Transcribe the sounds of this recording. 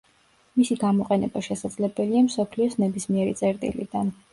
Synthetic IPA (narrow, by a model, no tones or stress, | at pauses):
misiɡamɔqʼɛnɛbaʃɛsad̪zlɛbɛliamsɔpʰliɔsnɛbismiɛɾit̪sʼɛɾt̪ʼḭlḭd̪an